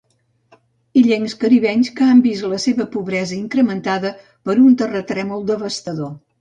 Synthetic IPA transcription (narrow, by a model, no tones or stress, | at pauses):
iʎeŋskəɾiβɛɲskəambisləseβəpuβɾɛzəiŋkɾəmənt̪aðə | pəɾunt̪ərət̪ɾɛmulˠd̪əβəst̪əðo